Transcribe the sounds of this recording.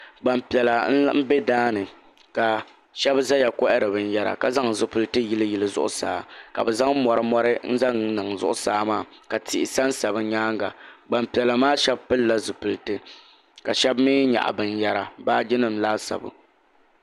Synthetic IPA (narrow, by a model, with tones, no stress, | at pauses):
ɡ͡ba˨mpɛ˨la˨n̩˦m̩˦be˦daː˦nɨ˨ | ka˨ | ʃɛ˦bza˦ja˨kɔ˦ʔɛ˦ɾɨ˨bɨ˨n̩˦ja˦ɾa̰˨ka˨za˦ŋzɨ˨pɨ˨lɨ˦tɨ˦ji˦lɨ˦ji˨lɨ˨zʊ̰˦ʔʊ̰˦sa̰ː˨˦ka̰˨bɛ˨za˦ŋ˦mɔ˨ɾɨ˦mɔ˦ɾɨ˦n̩˦za˦ŋnɨ˨ŋzʊ̰˦ʔʊ˦saː˦maː˦˨ka˨tɪ˨ɪ˨sa˦nsa˨bɨ˦ɲaː˦ŋɡa̰˨ɡ͡ba˨mpi˨ɛ˨la˨maː˦ʃɛ˦bpɨ˦lːa˦zɨ˨pɨ˨ltɨ˦ | ka˨ʃɛ˦bmiː˦ɲa̰˨ʔa̰˨bɨ˨nja˦ɾa˨baː˦d͡ʒɪ˦nɨ˨m̩˦laː˦sa̰˨bʊ̰˨